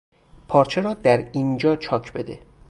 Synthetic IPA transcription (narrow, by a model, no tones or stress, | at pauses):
pʰɒːɾt͡ʃʰeɾɒːd̪æɾiːnd͡ʒɒːt͡ʃʰɒːkʰbe̞d̪ḛ